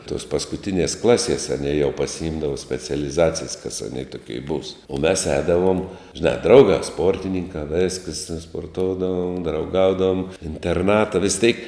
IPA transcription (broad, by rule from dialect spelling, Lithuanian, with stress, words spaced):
toːs pɐskʊˈtʲɪnʲiɛs ˈklˠɑːˌsʲiɛs ɐˈnʲiɛ jɛʊ pɐsʲɪˈɪmdɐʋoː sʲpʲɛt͡sʲɛlʲɪˈzɑːt͡sʲɪjs kɐs ɐˈnʲeː toːˈkʲiɛ buːs ʊ mʲɛs ˈɛːdɐʋuɔm ʒʲɪˈnɑː ˈdrɐʊɡɑː ˈspoːrʲtʲɪnʲɪŋkɑː ˈʋʲeːskəs spoːrˈtoːʊdɐʋoːm drɐʊˈɡɐʊdɐʋoːm ɪnʲtʲɛrˈnɑːtɐ ʋʲɪs tʲeːk